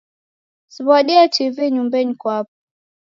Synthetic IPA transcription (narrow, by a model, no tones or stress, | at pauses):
siβaɗiativiɲumbɛɲikwap̚a